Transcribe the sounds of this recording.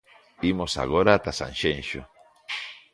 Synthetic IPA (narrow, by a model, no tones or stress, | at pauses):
imosa̰ɣoɾaːt̪asa̰nʃenʃo̰